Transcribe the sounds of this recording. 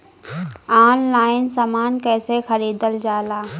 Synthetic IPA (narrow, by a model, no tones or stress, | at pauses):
aːnlaːɪnsaːmaːnkɛːsexəɾiːd̪əld͡ʒaːlaː